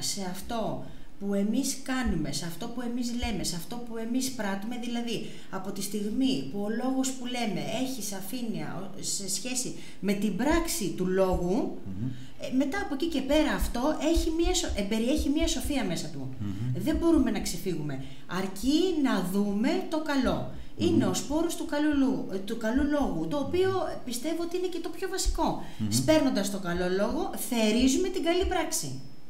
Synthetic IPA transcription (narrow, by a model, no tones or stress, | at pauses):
se̞ɐft̪o̞ | pue̞miskɐnume̞seɐft̪o̞pue̞mizle̞me̞seɐft̪o̞pue̞mispɾɐt̪ume̞ðilɐði | ɐpo̞t̪ist̪iɣmipuo̞lo̞ɣo̞spule̞me̞e̞çisɐfiniɐ̰o | se̞sçe̞si | me̞t̪ibɾɐksit̪ulo̞ɣu | me̞t̪ɐːpo̞cice̞pe̞ɾɐːft̪o̞ʔe̞çimɐsoebe̞ɾie̞çimɲɐso̞fiɐme̞sɐt̪ṵðe̞bo̞ɾume̞nɐksefiɣume̞ | ɐɾcinɐðume̞t̪o̞kɐlo̞ | ine̞o̞spo̞ɾust̪ukɐluut̪ukɐlulo̞ɣut̪o̞ːpio̞pist̪e̞voot̪iine̞ce̞t̪opço̞vɐsi̥ko̞ | spe̞ɾno̞nd̪ɐst̪o̞kɐlo̞lo̞ɣo̞ | θe̞ɾizume̞t̪iɡɐlipɾɐksḭ